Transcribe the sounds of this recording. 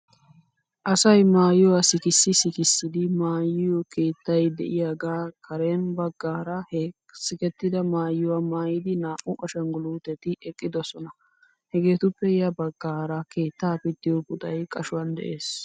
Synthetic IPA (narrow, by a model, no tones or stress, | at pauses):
ʔɐsɐjmaːjɪwasɪkɪsːɪsɪkɪsːɪd̪ɪmaːjːɪjɔke̞ːt̪ːɐjd̪ɛ̰ʔɪjaːɡaːkʰɐɾenbɐɡːaːɾɐh | sɪkɛt̪ːɪd̪ɐmaːjʊwamaːjɪd̪ɪnaːʔːʊʔɔʃɐnɡʊluːt̪ɛt̪ɪʔɛkʼːɪd̪ɔsɔnɐ | hɛɡe̞ːt̪ʊpːɛjɐbɐɡːaːɾɐke̞ːt̪ːaːpɪd̪ːɪjɔbʊt̪ʼɐjkʼɐʃʊwɐnd̪ɛ̰ʔe̞ːs